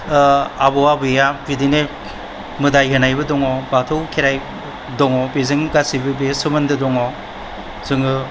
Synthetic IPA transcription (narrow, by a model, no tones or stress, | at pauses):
abɔabɯjabidine | mɯdajɦɯnajbɯdɔŋɔbatʰɯwkʰeɾaj | dɔŋɔbezɯŋɡasibɯbesɯmɯndɯdɔŋɔ | zɯŋɯ